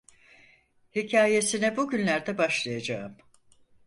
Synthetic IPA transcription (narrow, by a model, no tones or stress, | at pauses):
hicʰaːje̞sinɛbuɟynlʲæɾd̪ɛbaʃlˠajad͡ʒaːɯm